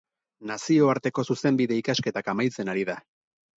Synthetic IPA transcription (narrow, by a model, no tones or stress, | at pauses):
nasio̞aɾt̪e̞ko̞suse̞mbiðe̞ikaske̞t̪akamajt͡se̞naɾiða